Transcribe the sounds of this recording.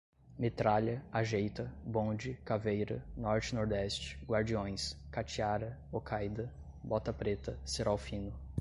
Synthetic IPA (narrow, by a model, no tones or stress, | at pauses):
met̪ɾaʎɐaʒejt̪ɐbõd͡ʒɪkavejɾɐ̰nɔɾt͡ʃɪnoɾd̪ɛst͡ʃɪ̥ɡwaɾd͡ʒiõj̃skat͡ʃiaɾɐokʰajd̪ɐ | bɔt̪ɐpɾet̪ɐseɾawfĩnʊ